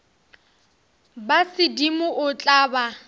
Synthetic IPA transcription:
basɪdimʊʔʊt͡ɬʼaːba

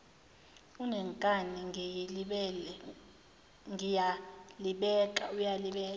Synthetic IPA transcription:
unɛŋkʼaniŋɛji | ŋijaliɓɛk̬ʼaujaliɓɛː

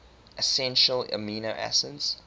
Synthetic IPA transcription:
ʔəsɛ̃nʃələ̰miːnoʔæ̰səds

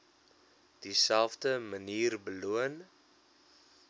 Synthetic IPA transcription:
d̥isælˠfdəməniːrbəluən

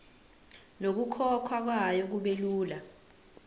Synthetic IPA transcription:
nok̬ukʰɔkʰwak̬wajok̬uɓeluːla

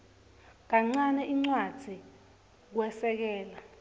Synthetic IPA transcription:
k̬aŋ͡ǀanɛʔiŋ͡ǀwad̥ʱi | k̬wɛsɛk̬ɛːla

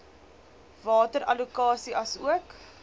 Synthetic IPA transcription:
vɑːtəɾɐ̰lukɑːsiʔɐsuək

